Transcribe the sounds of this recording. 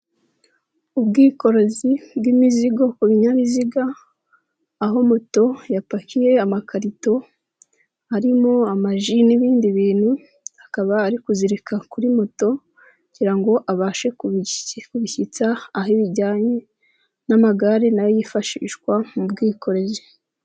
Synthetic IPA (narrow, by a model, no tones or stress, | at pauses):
ubɡiːko̞ɾo̞zibɡimiziɡo̞kuβiɲaβiziɡa | ɦo̞moto̞japakije̞amakʰaɾito̞ | haɾimo̞amaʒiniβiːndiβiːn̥hu | hakaβaːɾikuziɾikakuɾimoto̞ | ɟiɾaŋɡo̞ʔaβaːʃe̞kukuβiçit͡saːɦiβiɾɟaːɲe | namaɡaɾenajojifaʃḭːʃkwamubɡiːkʰo̞ɾe̞zi